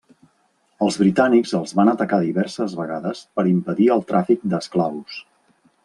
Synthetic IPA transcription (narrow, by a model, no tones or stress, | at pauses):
əlˠzβɾit̪anikzəlˠzβanət̪əkaðiβɛɾsəzβəɣaðəspəɾimpəðiəlˠt̪ɾafik̚d̪əsklaws